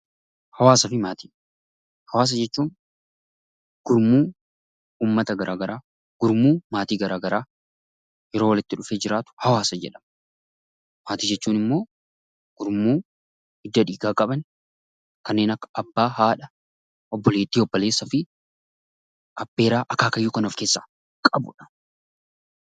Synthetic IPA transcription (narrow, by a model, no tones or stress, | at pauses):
hɐwaːsɐfɪmaːt̪iː | hɐwaːs̬ɐd͡ʒɛt͡ʃːuːn | ɡ̥ʊɾmuː | uːmːɐt̪ɐɡɐɾʔaːɡɐɾaː | ɡ̥ʊɾmuːmaːt̪iːɡɐɾaːɡɐɾaː | jɛɾo̞ːwɐlɪt̪ːɪᶑʊfe̞ːd͡ʒɪɾaːt̪ʊ̥hɐwaːsɐd͡ʒɛ̰ᶑɐ̥m | maːt̪iːd͡ʒɛt͡ʃːuːnɪmːo̞ː | ɡ̥ʊɾmuː | ɪd̪ːɐᶑiːɡaːkʼɐbɐn | kɐnːe̞ːnɐkːɐ̥ɐbːaːɦaːᶑɐ | ɔbːɔle̞ːt̪ːiːɔbːɔle̞ːsːɐfɪ | ɐbːe̞ːɾaːʔɐkaːkɐjːuːkɐnɔfke̞ːsːḁː | kʼɐbʊ̰ᶑɐ̥